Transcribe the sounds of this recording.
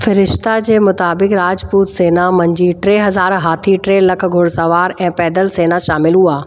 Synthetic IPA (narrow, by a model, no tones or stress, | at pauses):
fɪɾɪʃt̪ad͡ʑeːmʊt̪aːbɪkɾaːd͡ʑpuːt̪seːnamɐ̃ɲd͡ʑiʈɾeːɦɐzaːɾɦaːt̪ʰiʈɾeːlːɐkʰɡʱʊɽsɐʋaːɾɛ̃ːpɛːd̪əlseːnaʃaːmɪlɦuaː